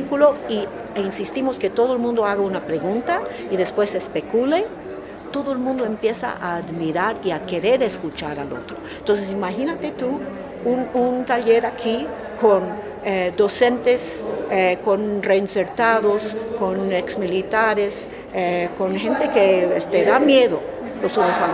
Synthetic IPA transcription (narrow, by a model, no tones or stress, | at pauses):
kuloi | insist̪imosket̪o̞ðoelmũnd̪oaɣaunapɾe̞ɣunt̪a | iðe̞spwe̞sespekule | t̪o̞ðoelmũnd̪oempje̞sa̰ʔa̰ːðmiɾaɾiake̞ɾe̞ɾeskut͡ʃaɾalo̰t̪ɾoent̪ons̬esimaxinat̪e̞t̪u | ununt̪aʎeɾakʰi | kon | ed̪o̞se̞nt̪es | ekonreinseɾt̪aðoskoneksmilit̪aɾes | ekonxe̞nt̪ekeest̪eðamjeðo | losonosa